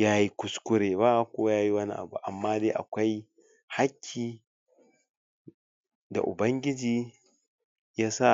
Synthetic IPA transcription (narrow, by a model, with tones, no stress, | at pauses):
jaː˦ji˦kʷʊ˨skʷʊ˦ɾeː˨βa˦kʷoː˦a˦jaː˦ji˦wɐ˦nḭ˦ʔa̰˨bṵ˨ʔa̰˨mːaː˦deː˦ʔa̰˨kʷa˦j | ha˦kʲʰːiː˨ | da̰˨ʔʊ˨bɐ˦ŋɡʲɪ˦d͡ʒiː˦ | jaː˦sa˦˨